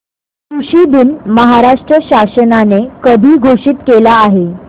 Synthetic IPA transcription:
kuɕid̪iːnməɦaɾaʂʈɾəɕasənanekəbʱiːɡʱoʂiːt̪kelaːɦe

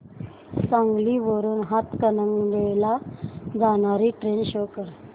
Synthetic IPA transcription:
saŋɡliʋəɾuːnɦat̪kənəŋɡdelad͡zaɽ̃aɾiːʈɾenɕɔkəɾ

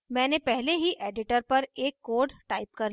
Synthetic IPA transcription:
mɛ̃ːnepɛɦleɦiʔeːɖɪʈəɾpɐɾeːkːoːɾɖʈaːɪp̚kɐɾ

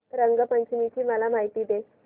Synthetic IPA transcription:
ɾəŋɡəpəɲt͡ɕimit͡ɕiːməlam̤aɦit̪iːd̪e

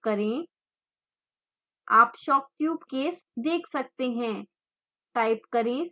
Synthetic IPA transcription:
kɐɾẽ | aːpʃɔːp̚ʈjuːbkeːs | d̪eːkʰsɐk̚t̪eɦɛ̃ː | ʈaːɪpkɐɾẽ

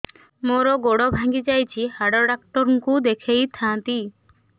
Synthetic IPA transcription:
moɾɔɡoɽɔbʱaŋɡid͡ʒajt͡ʃʰihaɽɔɖak̚ʈɔɾɔŋkud̪ekʰejt̪ʰãt̪i

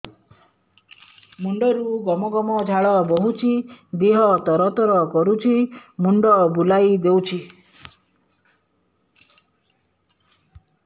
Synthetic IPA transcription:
muɳɖɔɾuɡɔmɔɡɔmɔd͡ʒʱaɭɔbɔɦut͡ʃʰid̪iɦɔt̪ɔɾɔt̪ɔɾɔkɔɾut͡ʃʰimuɳɖɔbulajd̪ewt͡ʃʰi

